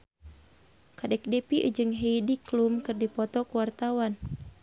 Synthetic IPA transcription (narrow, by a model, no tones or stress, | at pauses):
kadɛk̚dɛpiʔṵd͡ʒɨŋɦejdiklumkɨrdipɔt̪ɔkuwart̪awan